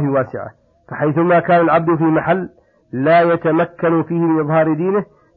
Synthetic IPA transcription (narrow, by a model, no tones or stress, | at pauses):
hɪwaːsɪʕa̰ | faħajθʊmaːkaːnalʕab̚d̪fiːmaħalː | aːjat̪amakːanfiːhɪmɪnʔɨðˤhɑːɾɪd̪iːnɪh